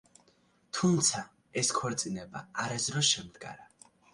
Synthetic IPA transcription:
t̪ʰumt̪sʰa | ɛskʰɔɾt̪sʼinɛba̰aɾazɾɔsʃɛmd̪ɡa̰ɾa

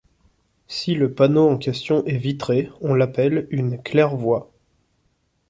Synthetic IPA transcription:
siləpanoɑ̃kʲɛst̪jɔ̃ʔɛvit̪χeɔ̃lapɛlynklɛʁvwa

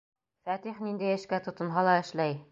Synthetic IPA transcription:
fæt̪iχnind̪æjɘ̆ʃkæt̪ŏt̪ɤ̆nɦɑlˠɑɘ̆ʃlæj

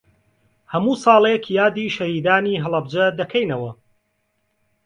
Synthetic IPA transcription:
hɐmuːsɑːlˠekʰjaːd̪iːʃɐhiːd̪aːniːɦɨlˠɐb̚d͡ʒɐd̪ɐkʰɛjnɐwɐ

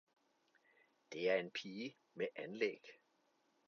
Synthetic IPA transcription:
d̥e̝æɐe̝npʰiː | meʔænlḛɡ̥

